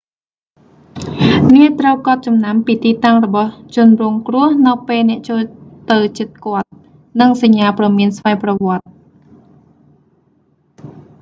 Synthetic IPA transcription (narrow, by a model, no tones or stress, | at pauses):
niət̪rəwkŏət̪̚t͡ɕɑmnampiːt̪iːt̪aŋrɔɓɑht͡ɕʊ̆ənruəŋkrʊ̆əhnɨwpeːlnɛ̆əʔt͡ɕoːlt̪ɨwt͡ɕiət̪̚kŏət̪̚ | nɨŋsaɲːaːprɑmiənsʋaɛjprɔʋŏət̪̚